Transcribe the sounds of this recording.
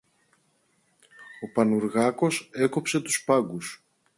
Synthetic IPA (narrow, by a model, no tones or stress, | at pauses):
o̞pɐnuɾɣɐko̞se̞ko̞pse̞t̪u̥spɐɡus